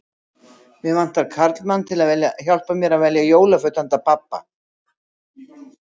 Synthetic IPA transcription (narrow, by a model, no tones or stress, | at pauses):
vɪðvan̥t̪aɾkʰaɾt̪lmanːt̪ʰɪlaðvɛljaçal̥pamjɛɾaðvɛljajoːwlafœɥt̪ant̪apapːa̰